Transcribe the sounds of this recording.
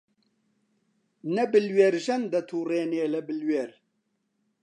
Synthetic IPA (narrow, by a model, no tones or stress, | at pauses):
nɐbɨlweɾʒɐnd̪ɐt̪ʰuːɾeːneːlɐbɪlweːɾ